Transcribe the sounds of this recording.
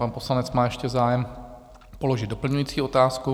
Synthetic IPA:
aːnpo̞slanɛt͡smaːjɛʃcɛzaːjɛm | poloʒɪd̪dopl̩ɲujiːt͡siːo̞t̪aːsku

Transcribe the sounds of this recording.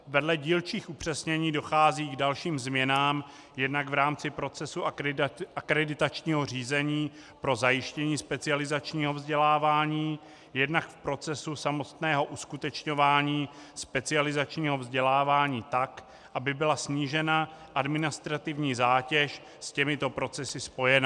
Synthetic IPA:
vɛdlɛɟiːlt͡ʃiːxupr̝̥ɛsɲɛɲiːdo̞xaːziːɡdalʃiːmzmɲɛnaːm | jɛdnaɡvɾaːmt͡sɪpɾo̞t͡sɛsu | akɾɛdɪt̪at͡ʃɲiːɦo̞r̝iːzɛɲiː | pɾo̞zajɪʃcɛɲiːspɛt͡sɪalɪzat͡ʃɲiːɦo̞vzɟɛlaːvaːɲiː | jɛdnakfpɾo̞t͡sɛsusamo̞t̪nɛːɦo̞ʔuskut̪ɛt͡ʃɲo̞vaːɲiːspɛt͡sɪalɪzat͡ʃɲiːɦo̞vzɟɛlaːvaːɲiːt̪ak | ʔabɪbɪlasɲiːʒɛnaʔadmɪnɪst̪ɾat̪ɪvɲiːzaːcɛʃ | scɛmɪt̪o̞pɾo̞t͡sɛsɪspo̞jɛna

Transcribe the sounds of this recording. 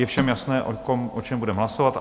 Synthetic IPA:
jɛfʃɛmjasnɛːʔokomʔot͡ʃɛmbudɛmɦlasovat̪

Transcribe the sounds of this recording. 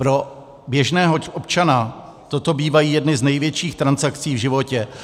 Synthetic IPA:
pɾo̞ | bjɛʒnɛːɦoʔopt͡ʃana | t̪o̞t̪o̞biːvajiːjɛdnɪznɛjvjɛt͡ʃiːxt̪ɾansakt͡siːvʒɪvo̞cɛ

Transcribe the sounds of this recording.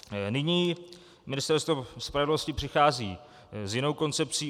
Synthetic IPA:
nɪɲiː | mɪnɪst̪ɛɾst̪vospɾavɛdlo̞scɪpr̥ɪxaːziː | zjɪno̞wko̞nt͡sɛp̚t͡siː

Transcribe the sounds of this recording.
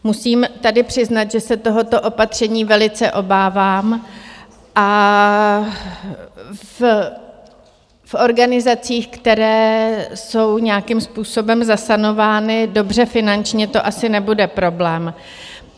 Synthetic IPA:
musiːmt̪adɪpr̝̥ɪznat̪ʒɛsɛt̪o̞ɦo̞t̪o̞ʔo̞pat̪r̝̥ɛɲiːvɛlɪt͡sɛʔo̞baːvaːm | ʔa | f | fʔo̞ɾɡanɪzat͡siːxkt̪ɛɾɛːso̞wɲɛjakɪmspuːso̞bɛmzasano̞vaːnɪdo̞br̝ɛfɪnant͡ʃɲɛt̪o̞ʔasɪnɛbudɛpɾo̞blɛːm

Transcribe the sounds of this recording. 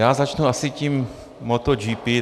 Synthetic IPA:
jaːzat͡ʃnuasɪcimː | ot̪od͡ʒiːpi

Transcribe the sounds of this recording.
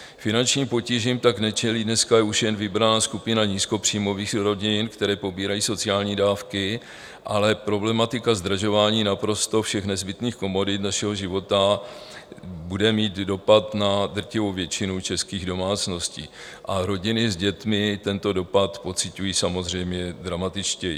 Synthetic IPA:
fɪnant͡ʃɲiːmpo̞ciʒiːmt̪aknɛt͡ʃɛliːdnɛskajɛuʃjɛnvɪbɾanaːskupɪnaɲiːsko̞pr̝̥iːmo̞viːxɾo̞ɟɪnkt̪ɛɾɛːpo̞biːɾajiːso̞t͡sɪaːlɲiːdaːfkɪ | ʔalɛpɾo̞blɛmat̪ɪkazd̪raʒo̞vaːɲiːnapɾo̞st̪o̞fʃɛxnɛzbɪt̪niːxko̞mo̞dɪt̪naʃɛɦoʒɪvo̞t̪a | budɛmiːt̪do̞pat̪nad̪r̩cɪvowvjɛt͡ʃɪnut͡ʃɛskiːɣdo̞maːt͡sno̞scḭː | ʔaɾo̞ɟɪnɪzɟɛt̪mɪt̪ɛnt̪o̞do̞pat̪po̞t͡sɪcujiːsamo̞zr̝ɛjmɲɛd̪ɾamat̪ɪt͡ʃcɛjḭ

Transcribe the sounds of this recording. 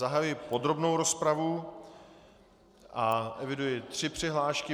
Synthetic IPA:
aɦajujɪpo̞d̪ɾo̞bnowɾo̞spɾavu | ʔaʔɛvɪdujɪt̪r̝̥ɪpr̝̥ɪɦlaːʃkɪ

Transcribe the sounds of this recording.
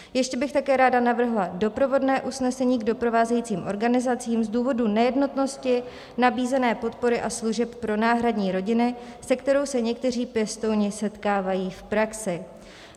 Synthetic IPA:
jɛʃcɛbɪxt̪akɛːɾaːdanavr̩ɦlado̞pɾo̞vo̞dnɛːʔusnɛsɛɲiːɡdo̞pɾo̞vaːzɛjiːt͡siːmʔo̞ɾɡanɪzat͡sɪiːmzduːvo̞dunɛjɛdno̞t̪no̞scɪ | nabiːzɛnɛːpo̞t̪po̞ɾɪʔasluʒɛppɾo̞naːɦɾadɲiːɾo̞ɟɪnɪsɛkt̪ɛɾo̞wsɛɲɛk̚t̪ɛr̝iːpjɛst̪o̞wɲɪsɛt̪kaːvajiːfpɾaksɪ

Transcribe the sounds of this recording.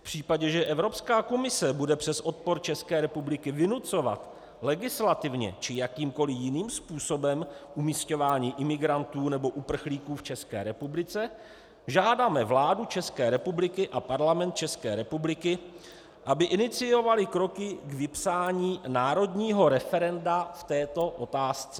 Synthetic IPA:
pr̝̥iːpaɟɛʒɛʔɛvɾo̞pskaːko̞mɪsɛbudɛpr̥ɛsʔo̞t̪̚po̞ɾt͡ʃɛskɛːɾɛpublɪkɪvɪnut͡so̞va̰t̪ | lɛɡɪslat̪ɪvɲɛ̰t͡ʃɪjakiːmko̞lɪjɪniːmspuːso̞bɛmʔumiːsco̞vaːɲiːʔɪmɪɡɾant̪uːnɛbo̞ʔupr̩xliːkuːft͡ʃɛskɛ̰ːɾɛpublɪt͡sɛ | ʒaːdamɛvlaːdut͡ʃɛskɛːɾɛpublɪkɪʔapaɾlamɛnt̪̚t͡ʃɛskɛːɾɛpublɪkɪ | ʔabɪʔɪnɪt͡sɪjo̞valɪkɾo̞kɪɡvɪpsaːɲiːnaːɾo̞dɲiːɦo̞ɾɛfɛɾɛndaft̪ɛːt̪o̞ʔo̞t̪aːst͡sɛ

